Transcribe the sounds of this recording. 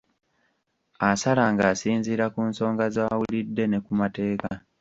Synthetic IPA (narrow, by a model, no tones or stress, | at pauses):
asalaŋɡaːsiːnziːɾakuːnso̞ːŋɡazaːwulidːe̞ne̞kumate̞ːka